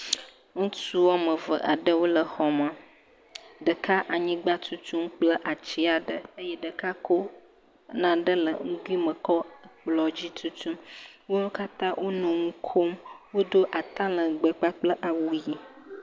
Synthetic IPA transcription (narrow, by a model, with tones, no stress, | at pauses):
ŋũ˦su˦wɔ˦mə̃˨və˨ʔa˨ɖə˦wo˦lə˨hɔ˨ma˨ | ɖə˨ka˦ʔa˨ɲĩ˦ɡ͡ba˦t̪u˦t̪ũ˦mk͡plə˦ʔa˨t͡ɕi˦a˨ɖə˨ə˦jɛ˦ɖə˨ka˦kʰo˦ | nã˨ɖə˦lə˨ŋ̩̃˦ɡu˦i˦mə̃˨kɔ˦k͡plɔ˨d͡ʑi˦t̪u˦t̪u˦mwo˦wo˦ka˦t̪ã˦wʔo˦nũ˨ŋũ˦kʰo˦mwo˦d̪o˦ʔa˨t̪ã˦lə˨ɡ͡bə˨k͡pa˦k͡plə˦ʔa˨wu˦ji˨